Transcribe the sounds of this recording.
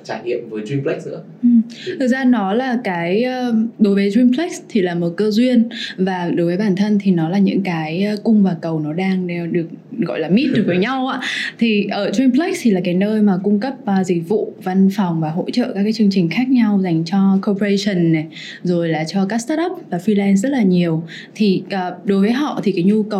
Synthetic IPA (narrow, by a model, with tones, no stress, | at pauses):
t͡ɕaː˧˩jɲḭ˧˨əmvəː˨˦jzwi˧mplɛ˦˥k̚ɨ̰˧˥ə | ʔɨ˨˩t̪ʰɨ˨˩k̚zaː˧nɔ˨˦laː˨˩kaː˨˦jəː˧ɗo˨˦jvəː˨˦jzwi˧mplɛ˦˥k̚st̪ʰi˨˩laː˨˩mo˨˩t̚kəː˧zwi˧ənvaː˨˩ɗo˨˦jvəː˨˦jɓaː˧˩nt̪ʰə˧nt̪ʰi˨˩nɔ˨˦laː˨˩ɲɨ̰˧˥ŋkaː˨˦jkʊ˧ŋ͡mvaː˨˩kə˨˩wnɔ˨˦ɗaː˧ŋe˧ɗɨ˨˩ək̚ɣɔ̰˧˨jlaː˨˩mi˦˥t̚ɗɨ˨˩vəː˨˦jɲa˧wʔa̰ː˧˥t̪ʰi˨˩ʔəː˧˩twi˧mpʰlɛ˦˥k̚st̪ʰi˨˩laː˨˩ka˨˦jnəː˧jmaː˨˩kʊ˧ŋ͡mkə˦˥p̚ːzï˨˩k̟̚vṵ˧˨va˧nfa˨˩wŋ͡mvaː˨˩ɦo̰˧˥t͡ɕə̰˧˨kaː˦˥k̬̚ːaː˨˦jt͡ɕɨ˧əŋt͡ɕï˨˩ŋ̟xaː˦˥k̚ɲa˧wza˨˩jŋ̟t͡ɕɔ˧ko˧pə˧ə˧sə˨˩nːa˨˩ | zo˨˩jlaː˨˩t͡ɕɔ˧kaː˦˥k̚st̪a˦˥ʔə˦˥p̚vaː˨˩fi˧lɛ˧n̬zə˦˥t̚laː˨˩ɲi˨˩əw | t̪ʰi˨˩ʔəː˨˩ɗo˨˦jvəː˨˦jɦɔ̰˧˨t̪ʰi˨˩kaː˨˦jɲu˧kə˨˩w